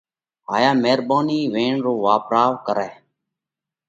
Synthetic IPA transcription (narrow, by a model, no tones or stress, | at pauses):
ɦaːjaːmeːɾbaːniːʋẽːɳɾoːʋaːpɾaːʋkəɾɛː